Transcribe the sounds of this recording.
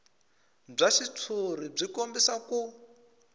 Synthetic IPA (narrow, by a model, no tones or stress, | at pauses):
b͡ʐaʃitʰuɾib͡ʐikombisaku